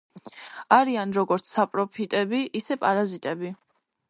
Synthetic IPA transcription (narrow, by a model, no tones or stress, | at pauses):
aɾianɾɔɡɔɾt̪sʰapʼɾɔpʰit̪ʼɛbiʔisɛpʼaɾazit̪ʼɛbi